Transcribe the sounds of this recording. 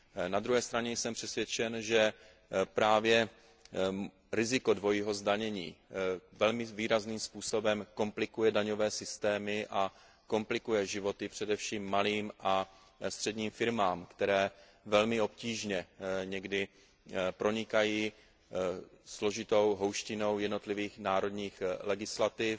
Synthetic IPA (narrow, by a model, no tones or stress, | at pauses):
nad̪ɾuɦɛːst̪ɾaɲɛjsɛmpr̝̥ɛsvʲjɛt͡ʃɛnʒɛ | pɾaːvjɛ | ɾɪzɪkodvo̞jiːɦo̞zdaɲɛɲiːvɛlmɪviːɾazniːmspuːso̞bɛmko̞mplɪkujɛdaɲo̞vɛːsɪst̪ɛːmɪʔa | ko̞mplɪkujɛʒɪvo̞t̪ɪpr̥ɛdɛfʃiːmːaliːmʔa | st̪r̝̥ɛdɲiːmfɪɾmaːmkt̪ɛɾɛː | vɛlmɪo̞pciːʒɲɛɲɛɡdɪ | pɾo̞ɲɪkajiː | slo̞ʒɪt̪o̞wɦo̞wʃcɪno̞wjɛdno̞t̪lɪviːxnaːɾo̞dɲiːxlɛɡɪslat̪ɪf